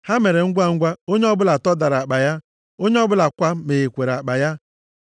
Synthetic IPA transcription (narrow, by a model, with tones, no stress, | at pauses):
ha˦me˨ɾe˨ŋ̩˦ɡʷa˦ŋ̩˦ɡʷa˦o˦ɲe˦ɔ˦bʊ˦la˨tɔ˦da˨ɾa˨k͡pa˨ja˦ | o˦ɲe˦ɔ˦bʊ˦la˨kʷa˦me˨e˨kʷe˨ɾa˨k͡pa˨ja˦